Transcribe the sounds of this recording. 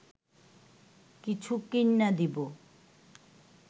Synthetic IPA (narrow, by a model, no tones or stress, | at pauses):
kit͡ɕʰukinːad̪ibo